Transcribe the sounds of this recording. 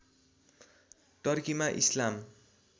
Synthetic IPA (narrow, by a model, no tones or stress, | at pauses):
ʈʌrkimaʔḭslam